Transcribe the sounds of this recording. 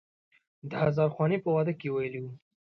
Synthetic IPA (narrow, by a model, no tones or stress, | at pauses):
d̪əhazɑɾxwɑnepəwad̪əkːewajəliwu